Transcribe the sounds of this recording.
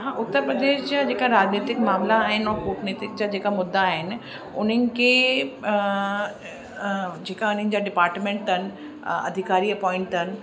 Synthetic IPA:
ɦãːʔʊt̪ːəɾpɾəd̪eːʃd͡ʑad͡ʑeːkaɾaːd͡ʑniːt̪ɪkmaːmlaːɦɪnɔpoːʈniːt̪ɪk̚d͡ʑad͡ʑeːkamʊd̪ːaːɦɪnɪ̆ | ʊn̤ənɪ̆kʰeː | d͡ʑeːkaʊn̤ə̃nɪ̆d͡ʑaɖɪpaːɾʈmẽːɳʈənɪ̆ | ɐ̰d̪ʱɪkaːɾiɐpɔ̃ːɪ̃ɳʈənɪ̆

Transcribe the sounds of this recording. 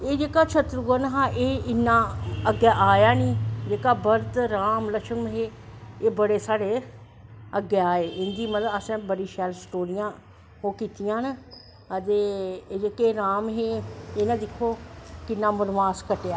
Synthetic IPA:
eːd͡ʒeːkaːt͡ʃʰət̪ɾɡənɦãːʔeːɪnːãːəɡeːʔaːjaːniːd͡ʒeːkaːbəɾd̪ɾaːmləʃəŋmɦeːeːbəɽeːsaːɽeː | əɡeːaːeːʔɪnd̪iːmət̪əsɛ̃ːbəɽiːʃɛːlsʈoːɾɪjãː | ɦoːkiːt̪ɪjãːn | ət̪eːd͡ʒeːkeːɾaːmɦeːeːnãːd̪ɪkʰːoːkɪnːãːmʊɾʋaːskəʈeaː

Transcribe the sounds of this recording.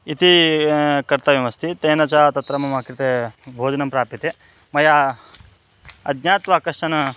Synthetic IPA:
it̪i | kɐɾt̪ɐʋjimɐst̪ʰit̪eːnɐt͡ʃaːt̪ɐt̪ɾɐmɐmaːkɾit̪ebʱoːd͡ʒɐnɐmpɾaːpit̪e | mɐja | ɐd̪jaːt̪ʋaːkɐʂʈɐnɐ

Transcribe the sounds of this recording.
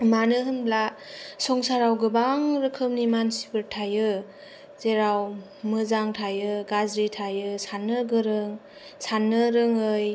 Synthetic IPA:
manɯɦɯnblasɔŋsaɾawɡɯbaŋɾɯkʰɯmnimansi̥bɯɾtʰajɯ | zeɾaw | mɯzaŋtʰajɯɡazɾitʰajɯsanːɯɡɯɾɯŋ | sanːɯɾɯŋɯj

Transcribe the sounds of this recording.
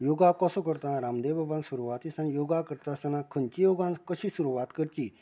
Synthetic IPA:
joɡakɔsokəɾt̪aɾamd̪ebabãnsuɾuʋat̪isanjoɡakəɾt̪asanãkʰənt͡ɕijoɡãnkəɕĩsuɾuʋat̪kəɾt͡ɕiː

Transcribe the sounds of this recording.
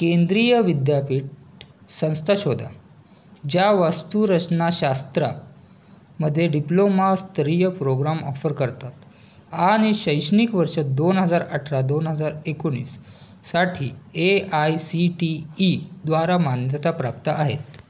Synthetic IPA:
kend̪ɾijəʋid̪japiːʈ̚sə̃w̃st̪ʰaɕod̪ʱa̰ | d͡ʑjaʋəst̪uɾət͡snaɕast̪ɾa̰ | məd̪ʱːjeɖiplomast̪əɾijəpɾoɡɾamɔ̰fəɾkəɾt̪at̪ | aɽ̃iɕəjɕnikʋəɾʂəd̪onɦəd͡zaɾəʈʰɾad̪onɦəd͡zaɾekoɳ̃ḭːsː | aʈʰiːeajsiʈiːd̪ʋaɾamanjət̪apɾap̚t̪aʔaɦet̪

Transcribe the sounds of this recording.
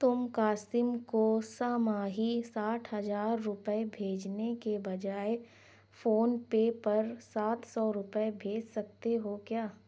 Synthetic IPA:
t̪ʊmkaːsɪmkosaːmaːɦisaːʈʰɦɐzaːɾːʊpəebʱeːd͡ʒnekebɐd͡ʒaːe | foːnpepɐɾsaːt̪sɔɾʊpəebʱeːd͡ʒsɐk̚t̪eɦokjaː

